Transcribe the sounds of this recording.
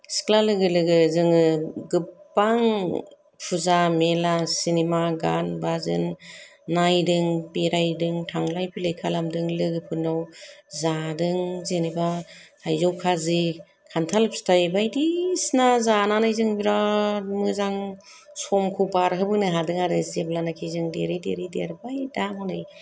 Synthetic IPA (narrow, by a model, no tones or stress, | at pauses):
sklalɯɡɯlɯɡɯzɯŋɯɡɯpːaŋ | pʰuzamelasinemaɡanbazɯ̰nː | ajdɯŋpiɾajdɯŋtʰaŋlajpʰilejkʰalamdɯŋlɯɡɯpʰɯnawzadɯŋzenibatʰajzɔwkʰazi | kʰantʰalpstajbajdisnazananɯjzɯŋbiɾamɯzaŋ | sɔmkʰubaɾɦɯbɯnɯɦadɯŋaɾɯzeblanakʰizɯŋdḛɾidḛɾideɾbajdamɔnɯj